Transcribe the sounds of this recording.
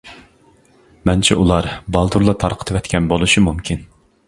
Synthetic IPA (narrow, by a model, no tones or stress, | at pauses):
mɛnt͡ʃʰiʔulˠɑɾbɑlˠd̪uɾlˠɑt̪ʰɑɾqʰə̥t̪ʰɨwɛt̪kʲʰɛnbolˠuʃimumkʲʰin